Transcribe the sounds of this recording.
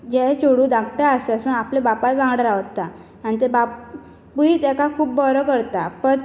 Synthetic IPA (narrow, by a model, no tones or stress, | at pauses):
d͡ʑɛt͡ɕoɽũːd̪ãkʈaasasunaplebapajbãŋɡɽɾaʋt̪ːa | añit̪ebap | buit̪ɛkakʰuːp̚ːbɔɾɔkəɾt̪apən